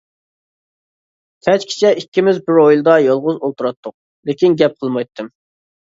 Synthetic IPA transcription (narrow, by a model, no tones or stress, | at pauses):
t̪ʰɛt͡ʃkʲʰi̥t͡ʃʰɛʔikʲːimɪzbɪɾojlˠɨd̪ɑjɑlˠʁʊzolˠt̪ʰuɾɑt̪ʰːʊq̚ | lekʲinɡʲɛp̚qʰəlˠmɑjt̪ʰːɨm